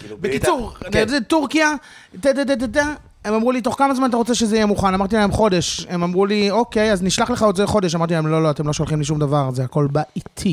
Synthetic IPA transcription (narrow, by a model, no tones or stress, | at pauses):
bekit͡suʁtaetuʁkija | tet̪̬ed̪̬ed̪̬ed̪a | emamʁulit̪o̞χkamazmanat̬aʁot͡seʃezeijɛmuχanamaʁt̪ilaemχo̞de̞ʃemamʁulio̞ke̞jazniʃlaχleχaodzeleχo̞deʃamaʁt̪ilaemlo̞loatemlo̞ʃo̞lχimliʃ̬umd̪avaʁzeako̞lbaʔitʰi